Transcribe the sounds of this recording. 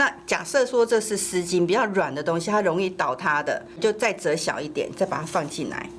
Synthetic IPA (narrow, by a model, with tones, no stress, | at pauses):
na˥˩t͡ɕja̰˨˩sɤ˥˨swɔ˥ʈ͡ʂɤ˥˧ʂɻ̩˥˩sɹ̩˧˥t͡ɕi˧˥npi˨˩t͡ɕjɑ˥˩ʊɻwa˨˩nd̪ə˦t̪o˥ŋɕi˨t̪ʰa˥ɻo˧˥ŋi˥˩t̪ɑ˨˩ʊt̪ʰa˥d̪ə̰˨ | t͡ɕjo˥˧ʊt͡sa˥˩ɪt͡sɤ˧˥ɕjɑ̰˨˩ʊi˥˩t̪jɛ̰˨˩˦nt͡sa˥˩ɪpa˨t̪ʰa˦˥fɑ˥˧ŋt͡ɕʰi˥˩nla̰˧˦ɪ